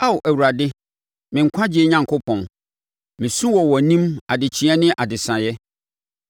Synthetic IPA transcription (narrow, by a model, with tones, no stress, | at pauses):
a˦wʔæ˨wu˨ɾa˨dɪ˦ | mɪ̃˨ŋ̩˨kʷʰã˦d͡ʑɪ˦e˦ɲã˨ŋkʰo˦pʰɔ̃˨n | mɪ̃˨sũ˦wɔ˨wɔ˨nĩ˦ma˨dɪ˨t͡ɕʰĩ˦ɛ̃˦nɪ̃˦ʔa˨dɪ˨sã˨jɛ˦